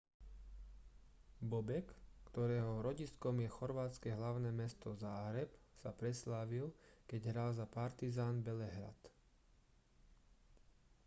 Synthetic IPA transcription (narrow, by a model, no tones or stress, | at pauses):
bɔbɛkkt̪ɔɾɛːɦɔɾɔɟiskɔmjɛxɔɾʋaːt̪t͡skɛɦlaʊnɛːmɛst̪ɔzaːɦɾɛpsapɾɛslaːʋilkɛɟɦɾaːlzapaɾt̪izaːnbɛlɛɦɾa̰t̪